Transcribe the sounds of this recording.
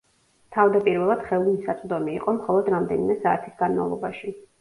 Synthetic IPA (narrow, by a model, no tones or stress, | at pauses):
t̪ʰavd̪apʼiɾvɛlˠad̪̥χɛunisat̪sʼd̪ɔmiːqʼɔmχɔlˠɔd̪ɾamd̪ɛnimɛsaːt̪ʰisɡanma̰vlˠɔ̰baʃi